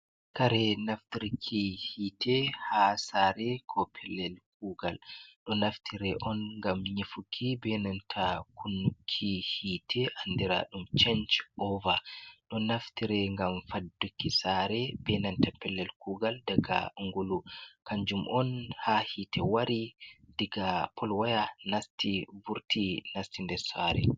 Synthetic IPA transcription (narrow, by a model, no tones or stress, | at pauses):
kaɾɛnaftiɾkʰihitʰɛhasaɾɛkʰɔpʰɛlːɛlk̚uːɡalɗɔnaftʰiɾɛʔɔnŋɡamɲifukʰːibɛnantʰakʰunːukʰːihiːtʰɛʔandiɾa̰ɗumt͡ʃɛnt͡ʃɔvaɗɔnaftiɾɛŋɡamfadukːisaɾɛbɛnantapɛlːɛlkuːɡaldaɡa̰ŋɡolukaɲd͡ʒumʔɔnhahitɛwaɾidiɡapʰɔlwajanastivuɾtinastindɛɾsaɾɛ̰